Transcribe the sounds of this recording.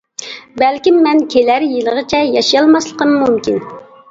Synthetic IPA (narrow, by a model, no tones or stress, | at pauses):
bɛlkʲimːɛnkʲʰelæɾjilˠəʁət͡ʃʰɛjɑʃijɑlˠmɑslˠəqəmːumkʲin